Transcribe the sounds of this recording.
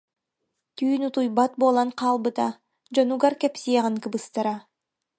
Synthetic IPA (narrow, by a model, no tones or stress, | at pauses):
t̪yːnut̪ujbɑt̪̚boːlˠɑnqʰɑːlˠbɯt̪ɑ | d͡ʒonuɡaɾkepsʲijaʁɯŋkɯbɯst̪aɾa